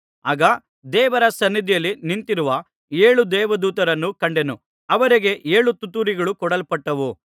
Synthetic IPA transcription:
aːɡɐ | d̪ɛːʋɐɾɐsɐnːid̪ijɐlːinint̪iɾuʋɐ | eːɭud̪ɛːʋɐd̪uːt̪ɐɾɐnːukɐɳɖenu | ɐʋɐɾiɡe̞ʔeːɭut̪ut̪ːuɾiɡɐɭukɔɽɐlpɐʈːɐʋu

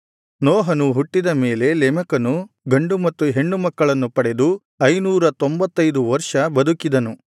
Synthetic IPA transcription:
nɔːɦɐnuɦuʈːid̪ɐme̞ːle̞lɛmɐkɐnu | ɡɐɳɖumɐt̪ːuɦe̞ɳːumɐkːɐɭɐnːupɐɽe̞d̪u | ɐjnuːɾɐt̪o̞mbɐt̪ːɐjd̪uʋɐɾʂɐbɐd̪ukid̪ɐnu

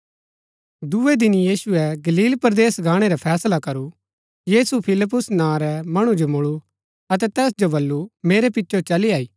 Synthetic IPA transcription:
d̪ued̪ɪnijiːsʊɛɡɐliːlpɐɾd̪eːsɡʱãːɽ̃eɾapʰɛːslakɐɾu | jiːsupʰɪlɪp̬ːʊsnãɾɛmɐɽ̃ud͡ʒomʊɭu | ɐt̪̬ɛt̪ɛːsd͡ʒobɐlːumeːɾɛpɪtːʃot͡ʃɐliaːiː

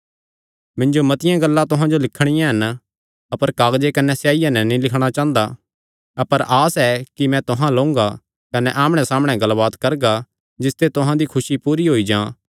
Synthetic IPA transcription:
mɪ̃nd͡ʒomɐt̪ɪjãɡɐlːãt̪ʊɦãd͡ʒolɪkʰɽ̃ɪjãɦɐn | ɐpəɾkaːɡd͡ʒekɐnɛsjaːijãnɛ̃nĩlɪkʰɽ̃at͡ʃãːnd̪a | ɐpəɾʔaːsɛkimɛ̃t̪ʊɦãlõːŋɡa | kɐnɛʔaːmɽ̃ɛsaːmɽ̃ɛɡɐlbaːt̪kɐɾɡa | d͡ʒɪst̪et̪ʊɦãd̪ikʰʊsipuːɾiɦoid͡ʒãː

